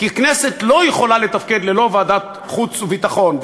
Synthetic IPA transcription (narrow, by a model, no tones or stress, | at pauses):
kiknese̞t̪lo̞jeχo̞lale̞t̪afked̪lelo̞vaːd̪at̪ | χut͡suvit̪aχo̞n